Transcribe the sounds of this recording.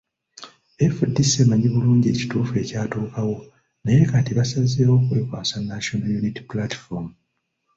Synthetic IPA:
efudːisemaɲiβuluːɲɟe̞ci̥tuːfue̞caːtuːkawo̞ | najekatiβasazeːo̞kweːkwaːsanːaʃonajuniti̥plati̥fomu

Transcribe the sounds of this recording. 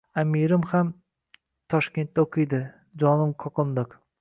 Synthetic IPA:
amiɾɪmham | t̪ʰɒʃkʲe̞nt̪̚ːaoqʰɨjd̪ɪ | d͡ʒɒnɪmkʰɒqɨnd̪ɨq

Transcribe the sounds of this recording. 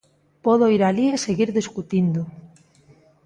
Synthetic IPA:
pɔðoiɾalieseɣiɾðeskut̪ind̪o

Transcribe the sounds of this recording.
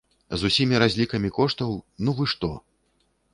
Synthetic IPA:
zusʲimʲiɾazʲlʲikɐmʲikɔʂt̪ɐwnuvɨʂt̪ɔ

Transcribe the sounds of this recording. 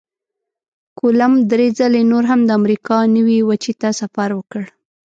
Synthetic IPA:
kolamd̪ɾed͡zalenoɾɦamd̪əamɾikɑnəwiwat͡ʃit̪asafaɾwəkəɽ

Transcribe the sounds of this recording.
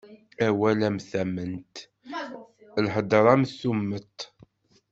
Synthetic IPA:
æwælæmθæmənt̪ | lħəd̪əɾˤæmθumːət̪

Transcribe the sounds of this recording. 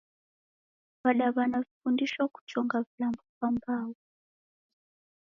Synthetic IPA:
βalaβanavifundiʃwaku̥t͡ʃɔŋɡaβilambɔβambaːwɔ

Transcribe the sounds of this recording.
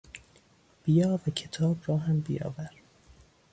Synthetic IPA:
b̥ijɒːvæcʰet̪ʰɒːbɾɒːɦæmbijɒ̰ːvæɾ

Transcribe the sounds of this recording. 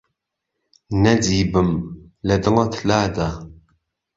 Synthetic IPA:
nɐd͡ziːbɨmlɐd̪ɨlɐt̪ʰlaːd̪aː

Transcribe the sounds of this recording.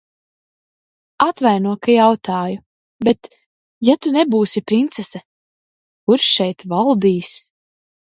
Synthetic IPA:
at̪vajnuɔkajawt̪aːju | bɛt̪ | jat̪unɛbuːsipɾint̪sɛsɛ | kuɾʃʃɛjt̪valˠd̪iːs

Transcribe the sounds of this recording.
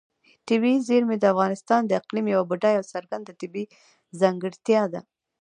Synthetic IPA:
ʈɪbizeɾmed̪əafɣɑnɪst̪ɑnd̪əɪqlimjawabʊʈajawsaɾɡand̪at̪ɪbi | zaŋɡəɽt̪jɑd̪a

